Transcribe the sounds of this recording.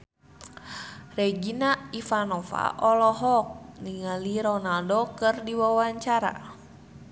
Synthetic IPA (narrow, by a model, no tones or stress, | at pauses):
rɛɡinaifanɔfa̰ʔɔlɔɦɔk̚niŋaliɾɔnaldokɨrdiwawaɲt͡ʃaɾa̰